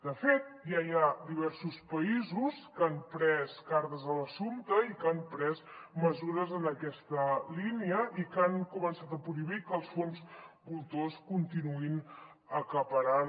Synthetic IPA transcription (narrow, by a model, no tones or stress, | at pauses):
d̪əfet̪̚jajad̪iβ̞ɛɾsuspəizuskampɾɛskaɾðəzələsumt̪əikampɾɛzməzuɾəzənəkɛst̪əliniəʔikaŋkumənsat̪əpɾuiβ̞ikəlˠsfonzbulˠt̪oskunt̪inuin | əkəpəɾan